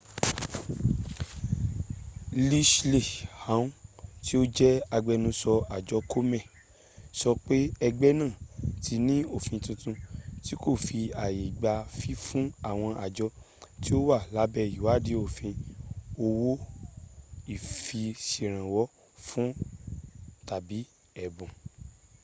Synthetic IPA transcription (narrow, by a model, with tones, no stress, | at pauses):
li˦ʃli˦˨ha˨˦ũ˦ti˦o˦d͡ʒɛ˦a˧ɡ͡bɛ˧nũ˧sɔ˧a˨d͡ʒɔ˨˦kʰo˦mɛ̃˦˨ | sɔ˧k͡pe˦ɛ˧ɡ͡bɛ˦nãː˦˨tʰi˧nĩ˦o˦˨fĩ˧tũ˧tũ˧ti˦ko˦˨fi˧a˨je˨ɡ͡ba˧fi˦fũ˦a˦˨w̃ɔ̃˧ʔa˨d͡ʒɔ˧˦ | ti˦o˦wa˦˨la˨˦bɛ˦˧i˨wa˨˦˨di˨˦o˦˨fĩ˧o˧wo˦ | i˦˨fi˧si˨ɾ̃ã˨wɔ˦ | fũ˦ | ta˨bi˨˦ | ɛ˨bũ˨